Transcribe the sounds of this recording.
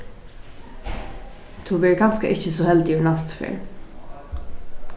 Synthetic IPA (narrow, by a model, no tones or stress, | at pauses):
t̪ʰʊmɛɹɪkʰɑːnskə̰ʔɪçəsoːhɛld̪ɪːjʊɳɑst̪fø̰ːɹ